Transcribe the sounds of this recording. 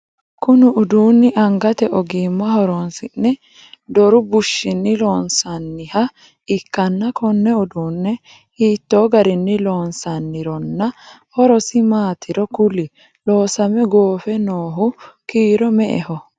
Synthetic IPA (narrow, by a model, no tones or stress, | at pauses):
kʊnʊʊd̪uːnːɪʔɐŋɡɐt̪ɛʔɔɡiːmːɐɦɔɾoːnsɪnːɛ | d̪ɔɾʊbʊʃːɪnːɪloːnsɐnːɪhɐ | ɪkːɐnːɐkɔnːɛʊd̪uːnːɛ | iːt̪ːo̞ːɡɐɾɪnːɪloːnsɐnːɪɾɔnːɐ | hɔɾɔsɪmaːt̪ɪɾɔkʊlɪ | loːsɐmɛɡoːfɛnoːɦʊkiːɾɔmɛʔɛ̰hɔ